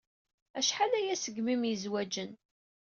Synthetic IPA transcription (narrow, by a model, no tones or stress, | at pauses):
æʃħalæjæsəɡmimjəzwæd͡ʒən